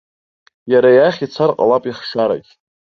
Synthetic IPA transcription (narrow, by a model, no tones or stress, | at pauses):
jaɾajaχʲit͡sʰarqʼa̰lapʼiχʂaɾa̰kʲʼ